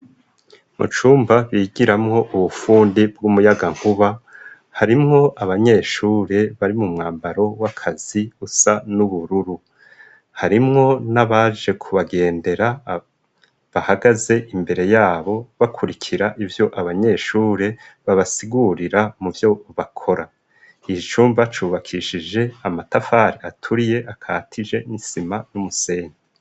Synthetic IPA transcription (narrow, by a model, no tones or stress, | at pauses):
mṵt͡ʃuːmbaβiːɡiɾamŋo̞ʔuβufuːndibɡumujaɡaŋ̥huβa | haɾimŋo̞ʔaβaɲe̞ʃuːɾe̞βaɾimumŋaːmbaɾo̞wakʰaz̥iusanuβuɾuɾu | haɾimŋo̞naβaʒe̞kʰuβaɡe̞ːnde̞ɾa | βahaɡaze̞ʔimbe̞ɾe̞jaːβo̞βakʰuɾikʰiɾaʔivjo̞ʔaβaɲe̞ʃuːɾe̞βaβasiɡuɾiɾamuvjo̞βakʰo̞ɾa | it͡ʃuːɱvat͡ʃuːβakʰiʃid͡ʒe̞amatafaɾiatʰuɾije̞ʔakʰaːtʰid͡ʒe̞nisimanumuse̞ːɲe